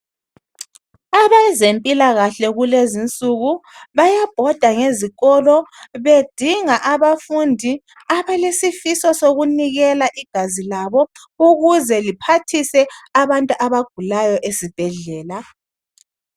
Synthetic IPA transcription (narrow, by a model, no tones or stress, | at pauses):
aβaizempʼilaɣaɬɛɣulezint͡sʼuɣuβajab̥ʱɔd̥ʱaŋeziɣɔlɔβed̥ʱiŋaʔaβafundʱi | aβalesifisɔsoɣuniɣɛlaʔiɡ̥ʱazilaβɔ | uɣuzɛlipʰatʰisɛaβantʼuʔaβaɡ̥ʱulajɔʔesib̥ʱɛɮɛːla